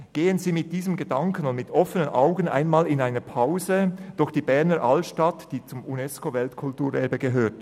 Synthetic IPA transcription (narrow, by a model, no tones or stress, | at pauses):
ɡ̥eːənziːmɪt̚d̥iːzəmɡədɑŋkənʊntmɪtɔfənənʔa̰ʊɡənʔa̰ɪnmaːlɪnaɪnəpʰaʊzəd̥ʊxd̥iːbɛɐnəɾʔalʃtatd̥iːt͡sʊmunɛskovɛltkʰʊltuːɾʔɛɐbəɡəɦøːtt